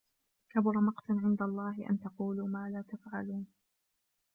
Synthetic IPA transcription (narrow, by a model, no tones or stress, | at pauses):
kabʊɾˤɑmɑqt̪aʕɪnd̪alˤːɑːɦɪʔa̰nt̪ɑquːluːmaːlaːt̪afʕaluːn